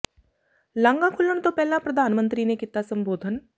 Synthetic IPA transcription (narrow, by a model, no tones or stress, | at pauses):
lə̃ŋɡãːkʰʊlːəɳt̪õːpɛːlãːpɾəd̪ʱaːnmə̃nt̪ɾiːnekit̪aːsəmboːd̪ʱən